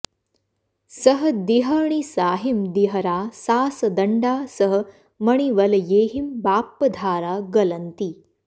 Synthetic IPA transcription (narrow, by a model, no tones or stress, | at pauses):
sɐɦɐd̪iɦɐɳ̃isaːɦimd̪iɦɐɾaːsaːsɐd̪ɐɳɖaːsɐɦɐ̆ | mɐɽ̃iʋɐlɐjeːɦimbaːpːɐd̪ʱaːɾaːɡɐlɐnt̪iː